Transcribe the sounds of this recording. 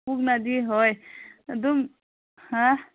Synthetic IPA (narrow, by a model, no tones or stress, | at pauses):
puɡnad̪iɦojd̪um | hã